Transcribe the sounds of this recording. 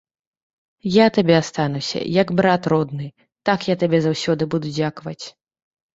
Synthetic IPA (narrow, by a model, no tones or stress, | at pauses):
jat̪abʲɛast̪anusʲɐ̰jɐɡbɾat̪rɔd̪nɨ | t̪akjat̪abʲɛzawsʲɔd̪ɨbud̪ud͡zʲakvɐt͡sʲ